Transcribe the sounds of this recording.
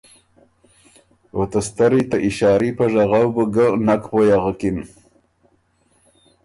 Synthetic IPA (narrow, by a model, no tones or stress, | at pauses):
ot̪ast̪aɾit̪aʔiʃɑːɾipaʐaɣawbəɡənakpojaʁakin